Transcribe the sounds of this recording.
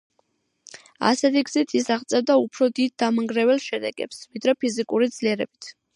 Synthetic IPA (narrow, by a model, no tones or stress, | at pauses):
a̰sɛt̪ʰiɡz̥it̪ʰisaʁt̪sʼɛvd̪aupʰɾɔd̪id̪̚d̪amaŋɡɾɛvɛlˠʃɛd̪ɛ̰ɡɛ̰psvid̪ɾɛpʰizikʼuɾid̪zliɛɾɛbit̪ʰ